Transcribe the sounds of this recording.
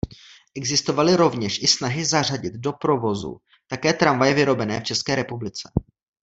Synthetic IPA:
ʔɛɡzɪst̪o̞valɪɾo̞vɲɛʃʔɪsnaɦɪzar̝aɟɪd̪do̞pɾo̞vo̞zṵ | t̪akɛːt̪ɾaɱvajɛvɪɾo̞bɛnɛ̰ːft͡ʃɛskɛːɾɛpublɪt͡sɛ̥

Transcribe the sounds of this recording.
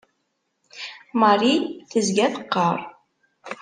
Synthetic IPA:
mɑriθəzɡæθəqːəɾˤ

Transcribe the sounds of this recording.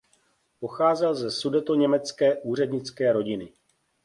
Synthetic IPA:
po̞xaːzɛlzɛsudɛt̪oɲɛmɛt͡skɛːʔuːr̝ɛdɲɪt͡skɛːɾo̞ɟɪnɪ

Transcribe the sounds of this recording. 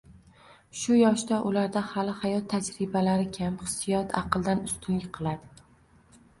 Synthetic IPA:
ʃʊjɒʃd̪aʔʊlaɾd̪ahalɪhajɒt̪ʰːad͡ʒɾɪbalaɾɪkʲʰamχɨ̥sːɪjɒt̪ʰɑ̰qʰɨlˠd̪anʊst̪ʰʊŋʲɪqʰɨlˠad̪ɪ

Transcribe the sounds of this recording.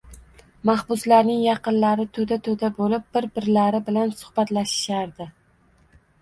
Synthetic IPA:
mahbʊslaɾnɪŋjɑqɨnlaɾɪt̪ʰɵd̪at̪ʰɵd̪abolɪp̚b̥ɪɾbɪɾlaɾɪbɪlansʊ̥hbat̪laʃɪ̥ʃaɾd̪ɪ

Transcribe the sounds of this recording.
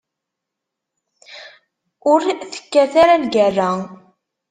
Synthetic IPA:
ʊɾθə̥kːæθæɾalɡærːa

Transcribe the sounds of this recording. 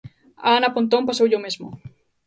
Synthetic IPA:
a̰napont̪̬ompasowʝomezmo

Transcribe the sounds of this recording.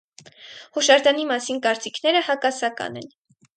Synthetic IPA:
hɔʃɑɾd̪ɑnimɑsinkɑɾt͡sikʰn̪ɛɾəhɑkɑsɑkɑ̰nɛ̰n

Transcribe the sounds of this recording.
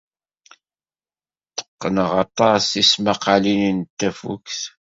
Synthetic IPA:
t̪ːə̥qːənəʁɑt̪ˤɑsismaqalinint̪ːæfṵkθ

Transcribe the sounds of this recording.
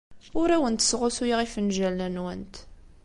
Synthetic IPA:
ʊɾæwənt̪ə̥sʁʊsujiʁifənʒælːænwənt̪

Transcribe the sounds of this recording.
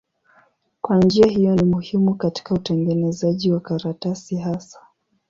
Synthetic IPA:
kwand͡ʒiahijɔnimuhimukati̥kautɛŋɡɛnɛzaʄiwakaɾatasiɦasḁ

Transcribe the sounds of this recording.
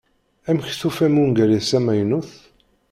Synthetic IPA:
æmçθufæmunɡæɾæsæmæjnuθ

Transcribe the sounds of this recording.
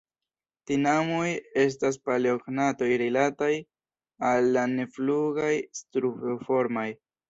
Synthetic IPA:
tinamoje̞s̬tas̬palioɡnato̞jɾilataj | alːane̞fluɡajstɾufofo̞ɾmaj

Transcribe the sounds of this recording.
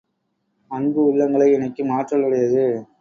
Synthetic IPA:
ɐnbɯʊɭːɐŋɡɐɭɐɪɛnɐɪkːɯmaːʈrɐɭːɪɽɐjɐðɯ

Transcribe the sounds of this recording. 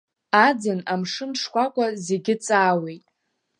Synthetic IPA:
ad͡zɨnamʂɨnʂkʷakʷʼaze̞ɡʲɪt͡sʼaːwejtʼ

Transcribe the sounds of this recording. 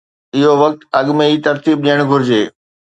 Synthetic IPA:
ɪɦoʋɐk̚t̪ɐɠmẽiːt̪ɐɾt̪iːb̚ɗijəɽ̃ɡʱʊɾɪd͡ʑeː

